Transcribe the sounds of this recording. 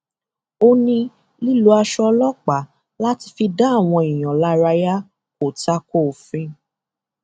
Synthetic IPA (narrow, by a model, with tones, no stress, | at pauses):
o˧nĩ˧ | li˦lu˧a˧ʃɔ˧lɔ˦k͡pa˨˦ | la˦ti˧fi˧da˦˨w̃ɔ̃˧ĩ˨j̃ɔ̃˨la˦ɾa˧ja˦ | ko˨ta˦ko˦˨fĩ˧˦